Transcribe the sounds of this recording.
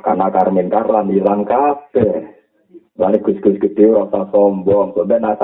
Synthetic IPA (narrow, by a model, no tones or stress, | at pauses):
ka̰nakarmink̪arlamilaŋkapɛ | lalɪɡ̥usɡ̥usɡət̪iuɾɔsasɔmbɔŋsɔbɛnasa